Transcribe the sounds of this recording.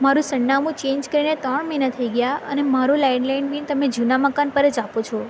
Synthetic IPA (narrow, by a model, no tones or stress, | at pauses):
maɾũsəɳːamũt͡ʃẽɲd͡ʒkəɾinet̪əɳmenət̪ʰːəiɡəjaənemaɾulajɳlainbĩnt̪əmed͡ʒunaməkanpəɾət͡ʃapot͡ʃʰɔ